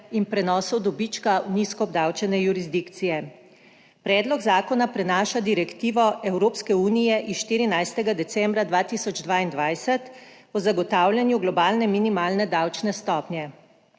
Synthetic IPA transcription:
inpɾɛnɔːsɔwd̪ɔbit͡ʃkauniskɔɔb̚d̪awt͡ʃɛnɛjuɾizd̪ikt̪sijɛ | pɾɛːd̪lɔɡzaːkɔnapɾɛnaːʃad̪iɾɛkt̪iːʋɔʔɛwɾoːpskɛuːnijɛʔisʃt̪iːɾinajst̪ɛɡad̪ɛt̪sɛmbɾad̪ʋaːt̪iːsɔd͡ʒd̪ʋaːind̪ʋajsɛt̪ | ɔzaɡɔt̪awlʲjanjuɡlɔbaːlnɛminimaːlnɛd̪awt͡ʃnɛst̪ɔːpnʲjɛ

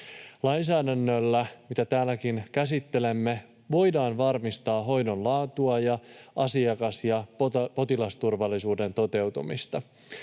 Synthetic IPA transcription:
lɑjnsæːdænːølːæmit̪æt̪æːlːækinkæsit̪ːe̞le̞mːe | ʋo̞jdɑːnʋɑrmist̪ɑːɦo̞jdo̞nlɑːt̪uɑjɑʔɑsiɑkɑsjɑpo̞t̪ilɑst̪urʋɑlːisuːde̞nt̪o̞t̪e̞wt̪umḭst̪ɑ

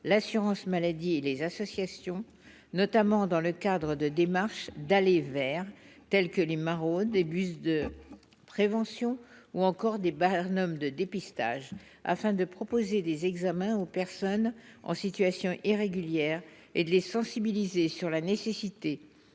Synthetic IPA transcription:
lasyʁɑ̃smalad̪ielezasɔsjasjɔ̃ | nɔt̪amɑ̃d̪ɑ̃ləkad̪ʁəd̪əd̪emaʁʃd̪alevɛʁt̪ɛlkəlemaʁoebysd̪ə | pχevɑ̃sjɔ̃uɑ̃kɔʁd̪ebanɔmd̪əd̪epist̪a̰ʒ | a̰fɛ̃d̪əpχɔpozed̪ezɛɡzamɛ̃opɛʁsɔnɑ̰̃sit̪ɥasjɔ̃ʔiʁeɡʲyljɛʁ | ed̪əlesɑ̃sibilizesyʁlanesesit̪e

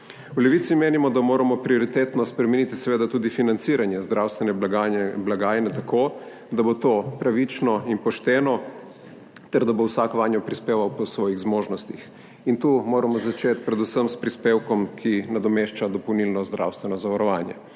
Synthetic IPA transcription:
wlɛʋiːt̪simeːnimɔd̪amoːɾamɔpɾiɔɾit̪eːt̪nɔspɾɛmɛnit̪isɛʋeːd̪at̪uːd̪ifinant̪siːɾanjɛzd̪ɾawst̪ʋɛnɛɡablaɡaːjnɛt̪akʰo | d̪abot̪opɾaʋit͡ʃnɔinpɔʃt̪ɛːnɔ | t̪ɛɾd̪abowsakʋaːnjɔpɾispeːʋawpɔsʋɔːjiɣzmoːʒnɔst̪ix | int̪umoːɾamɔzat͡ʃet̪pɾɛd̪usəmspɾispeːwkɔmkʰinad̪ɔmeʃt͡ʃad̪ɔpɔwnilnɔzd̪ɾʔa̰wst̪ʋɛnɔzaʋaɾɔʋaːnjɛ̰

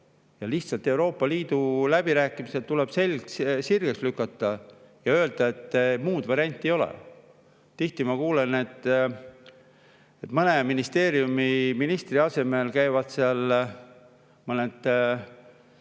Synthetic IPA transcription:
jɑliht̪sɑlt̪ːˑe̞uwɾo̞ːpːˑɑliːd̪̥ulæb̥iɾæːkːˑimiset̪t̪ulɛb̥se̞lʲkssirɡ̥ekslykːˑɑt̪ːˑɑjɑø̞ld̪̥ɑe̞t̪ːˑmuːd̪̥vɑɾiɑnʲt̪ʲːˑejo̞lɛ̰ | t̪iht̪imɑkuːle̞ne̞t̪ː | et̪ːmɤneminist̪e̞ːɾiumiminist̪riɑse̞me̞lkæjvɑd̪̥seɑl | mɤned̪̥

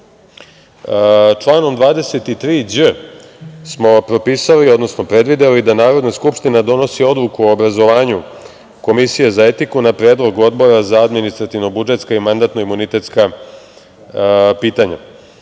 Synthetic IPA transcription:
t͡ʂlˠaːno̞md̪ʋaːd̪e̞se̞t̪it̪ɾiːd͡ʑə | smo̞pɾo̞piːsalio̞d̪no̞sno̞pɾe̞d̪ʋid̪elid̪anaːɾo̞d̪naskupʂt̪inad̪o̞no̞sio̞d̪lukuoːbɾazo̞ʋaːɲu | ko̞misije̞zae̞t̪ikunapɾe̞ːd̪lˠo̞ɡo̞d̪bo̞ɾazaad̪minist̪ɾat̪iʋno̞bud͡ʒe̞t̪skaimand̪at̪no̞imunit̪e̞t̪ska | piːt̪aɲa̰

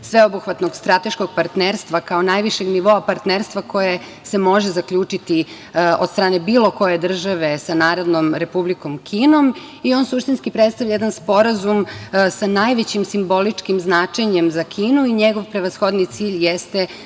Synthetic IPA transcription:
sʋe̞obuxʋat̪noɡst̪ɾat̪e̞ʃko̞ɡ̚paɾt̪neɾst̪ʋakao̞najʋiʃe̞ɡniʋo̞apaɾt̪neːɾst̪ʋako̞je | se̞mo̞ʒezakʎʲuːt͡ʃit̪i | od̪st̪ɾaːne̞biːlo̞ko̞je̞d̪r̩ʒaʋe̞sanaːɾo̞d̪no̞mɾe̞publiko̞mkʰiːno̞m | io̞ːnsuʃt̪inskipɾet̪st̪aʋʎʲajed̪anspo̞ɾazumsanajʋet͡ɕimsimbo̞lit͡ʂkimznat͡ʃe̞ɲemzakʰiːnuiɲeɡo̞ʋpɾe̞ʋasxo̞d̪nit̪siːʎjest̪e̞

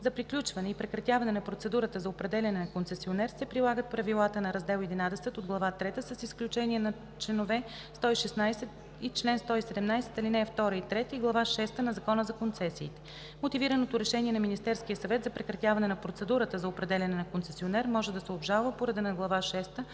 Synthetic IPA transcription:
zɐpɾiklʲut͡ʃvɐnɛipɾɛkɾɐt̪javɐnɛnɐpɾot̪sɛd̪uɾət̪əzɐopɾɛd̪ɛlʲɐnɛnɐkonsɛsionɛɾsɛpɾilˠaɡət̪̚pɾɐvilˠat̪ənɐɾɐzd̪ɛlˠɛd̪inad̪ɛsɛt̪od̪ɡlˠɐvat̪ɾɛt̪əsəsisklʲut͡ʃɛniɛnɐ | t͡ʃlɛnovɛ | st̪ɔiʃɛsnajsɛt̪ | it͡ʃlɛnst̪ɔisɛd̪ɛmnajsɛ̥t̪ɐlinɛft̪ɔɾəit̪ɾɛt̪iɡlˠɐvaʃɛst̪ənɐzɐkɔnəzɐkont̪sɛsiːt̪ɛ̥ | mot̪iviɾənot̪oɾɛʃɛniɛnɐminist̪ɛɾskijəsɐvɛt̪zɐpɾɛkɾɐt̪javɐnɛnɐpɾot̪sɛd̪uɾət̪əzɐopɾɛd̪ɛlʲɐnɛnɐkonsɛsionɛɾmɔʒɛd̪ɐsɛobʒalˠvəpoɾɐd̪ɛnɐɡlˠɐvaʃɛst̪ə

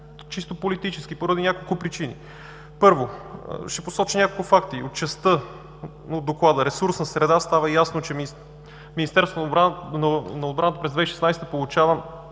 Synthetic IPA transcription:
t͡ʃist̪opolit̪it͡ʃɛsk̟ipoɾəd̪inʲakolˠkʊpɾit͡ʃinḭ | pɤɾvo̰ʃɛposɔt͡ʃinʲakolˠkʊfakt̪iot̪̚t͡ʃɛst̪ɤ | od̪oklˠad̪əɾɛsuɾsnɐsɾɛd̪ast̪avəjasnot͡ʃɛ | minist̪ɛɾsʊnnɐod̪bɾant̪əpɾɛzd̪vɛiʃɛ̥snajst̪əpolˠʊt͡ʃavəm

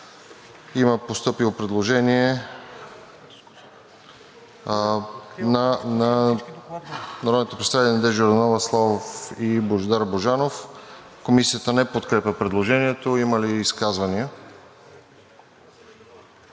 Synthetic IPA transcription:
iməpost̪ɤpiopɾɛd̪lˠoʒɛniɛ | nanɐ | nɐɾɔd̪not̪opɾɛsavit̪ɛlʲnɐd̪ɛʒoɾnɔvəslˠavofiboʒd̪aɾboʒanof | komisiət̪ənɛpot̪kɾɛpʲəpɾɛd̪lˠoʒɛniɛt̪oiməliːskazvɐniə

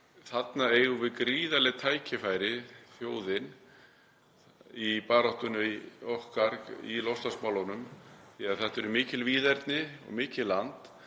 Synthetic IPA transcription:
θat̪naeɣʏvɪðkɾiːðalɪt̪ʰaːjcɪfaːjɾɪθjoːwðɪn | ipaːɾaht̪ʏniohkaɾkḭlɔwst̪asmawlɔwnʏmθɛaɾθɛht̪ɛɾʏmɪːcɪlviːðɛɾt̪nɪɔ̰ɣmɪːcɪlːant̪

